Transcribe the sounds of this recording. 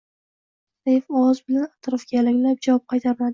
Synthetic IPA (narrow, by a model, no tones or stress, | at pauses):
sejfɒwɒzbɪlanat̪ɾɒfɡʲalɪŋʲlap̚d͡ʒavɒp̚qʰɑjt̪ʰaɾɪmad̪ɪ